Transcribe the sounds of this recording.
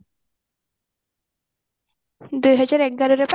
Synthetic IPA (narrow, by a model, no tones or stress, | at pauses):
d̪ujɦɔd͡ʑaɾɛk̚ɡaɾoɾep